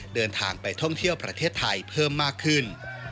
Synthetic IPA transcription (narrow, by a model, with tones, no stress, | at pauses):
dɤː˧nt̪ʰaː˧ŋpa˧jt̪ʰɔ˥˩ŋt̪ʰi˥˩əwpɾa˧t̪ʰeː˥˩t̪ʰːa˧jpʰɤː˥˩mːaː˥˩kʰːɯ˥˩n